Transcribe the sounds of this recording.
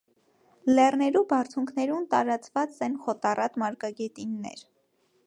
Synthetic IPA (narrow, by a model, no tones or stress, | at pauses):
lɛrnɛɾubɑrt͡sʰuŋkʰnɛɾunt̪ɑɾɑt͡svɑt͡sɛnχɔt̪ɑrɑt̪mɑɾkɑɡɛt̪inːɛ̰ɾ